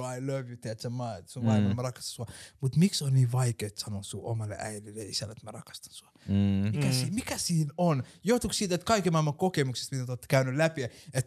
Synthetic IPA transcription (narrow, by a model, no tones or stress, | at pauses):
aɪlʌʋjut̪eæt̪səmɑsumɑilmɑnemærɑkɑst̪ɑnsuɑmut̪miksonniːʋɑikeːt̪sɑnosuʔo̰mɑlːḛʔæ̰ililːeisælːḛt̪mærɑkɑ̥st̪ɑ̥nsuɑmikæsiːmikæsiːnonjot̪ukssiːt̪et̪kɑikemɑilmɑkokemukse̥st̪mit̪et̪ot̪ːkæynylæpiet̪